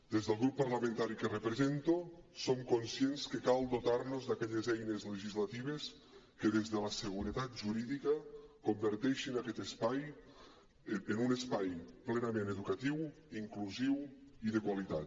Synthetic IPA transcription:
d̪ezðəlˠɣɾupːaɾlamẽnt̪aɾikerəpɾezent̪osomkonsjenskekalˠd̪ot̪aɾnozd̪akɛʎezɛjnezləʒizlat̪iβ̞es | keðezðəlasəɣ̞uɾət̪at̪̚ʒuɾiðikəkombəɾt̪ɛʃinakɛt̪espaj | enunespajplenameneðukat̪iw | iŋkluziwiðəkwalit̪at̪

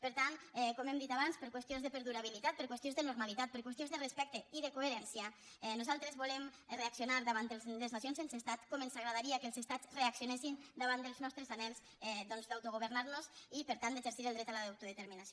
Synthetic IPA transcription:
pəɾt̪anɛkɔmɛmd̪it̪aβanspəɾkwəst̪jonzðəpəɾðuɾaβilit̪at̪̚pəɾkwest̪jonzðənuɾmalit̪at̪̚pəɾkwəst̪jonzðərespɛk̚t̪eiðəkoeɾɛnsja | ɛnuzalˠt̪ɾezβulɛmreaksionaɾd̪əβaneleznasionsensest̪at̪kɔmənzaɣɾaðaɾiakəlˠzest̪at͡sreaksionesind̪aβand̪əlznɔst̪ɾəzanɛlˠz | ɛd̪ɔnzd̪awt̪uɣuβəɾnaɾnozipəɾt̪and̪eʒəɾsiɾəlˠd̪ɾɛt̪alaðawt̪uðet̪əɾminaso

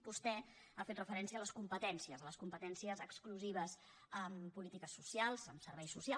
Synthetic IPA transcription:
bust̪ɛ | afet̪rəfəɾɛnsiəːləskumpət̪ɛnsiəzələskumpət̪ɛnsiəzəkskluziβ̞əz | əmpulit̪ikəsːusialˠzəmsəɾβɛjsusia

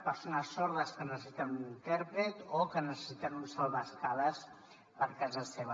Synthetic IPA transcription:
pəɾsonəsːɔɾðəskənəssit̪ɛmint̪ɛɾpɾet̪okənəsə̥sit̪ɛmunsalˠβaskaləs | pəɾkazəseβə

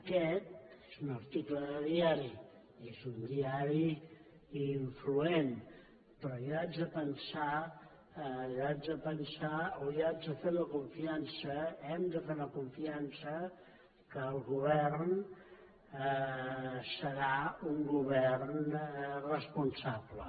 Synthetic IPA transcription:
əkɛt̪̚ezunəɾt̪ikləðəðiaɾi | ezund̪iaɾi | iɱfluen | pɾɔiad͡zəpənsa | ad͡z̪əpənsaoiad͡zəfeɾləkuɱfiansəɛmd̪əfeɾləkuɱfiansə | kəːlˠɣuβɛrn | səɾauŋɡuβɛrnrəspunsablə̰

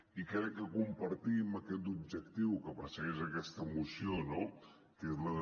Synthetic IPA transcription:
ikɾɛkːəkumpəɾt̪iməkɛt̪̬ub̚ʒək̚t̪iwkəpəsəɣezəkɛst̪əmusiono | kezləð

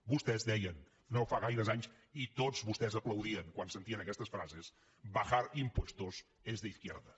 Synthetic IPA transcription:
bust̪ɛzðɛjən | nofaɣajɾəzaɲs | it̪ozβust̪ɛzəpləwðiəŋkwansənt̪iənəkɛst̪əsfɾazes | bəxaɾimpwest̪uz | ezðəiθkjḛɾðə

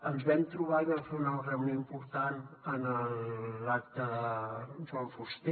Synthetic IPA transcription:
ənzβɛmt̪ɾuβaiβəɾfeunarəwnoimpuɾt̪anənəlak̚t̪ə | ʒɔlfust̪e

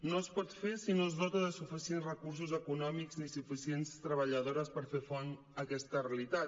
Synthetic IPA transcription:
noəspɔt̪fesinozðɔt̪əðəsufisienzrəkuɾs̬uzəkunɔmikznisufisienst̪ɾəβəʎəðoɾəspəɾfefɔn | əkɛst̪əreəlit̪at̪

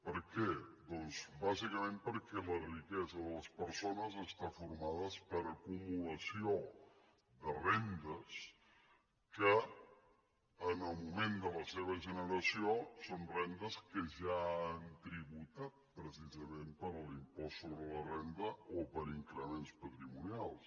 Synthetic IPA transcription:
pəɾkɛd̪ɔnzbazikəmempəɾkɛlərikɛzəðələspəɾsonəzəst̪afuɾmaðəspəɾəkumuləsio | d̪ərɛnd̪əs | kə | ənəlˠmumend̪ələseβ̞əʒənəɾəsiosonrɛnd̪əskəʒaːnt̪ɾiβut̪at̪̚pɾəsizəmempəɾəlimpɔsːoβɾələrɛnd̪əopəɾiŋkɾəmenspət̪ɾimunialˠs

